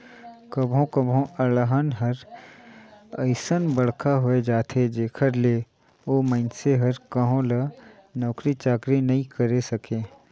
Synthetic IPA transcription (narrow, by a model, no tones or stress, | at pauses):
kɐbʱõkəbʱõʔɐləɦənɦɐɾ | ɐɪsənbɐɽ̤kaɦʊed͡ʒaːt̪ʰed͡ʒeːkʰəɾleː | oːmə̃ɪnseɦɐɾkəɦõlə | nɔːkɾit͡ʃaːkɾinɐɦĩkɐɾesɐkeː